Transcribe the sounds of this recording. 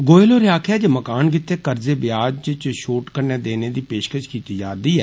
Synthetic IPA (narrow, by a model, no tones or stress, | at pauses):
ɡoːɪloːɾɪjaːkʰjaːd͡ʒeːməkaːnkɪt̪ːeːkəɾzeːbɪjaːd͡ʒt͡ʃt͡ʃʃoːʈkəɾneːd̪eːneːd̪iːpeːʃkəʃkiːt̪iːd͡ʒaːd̪iːɛː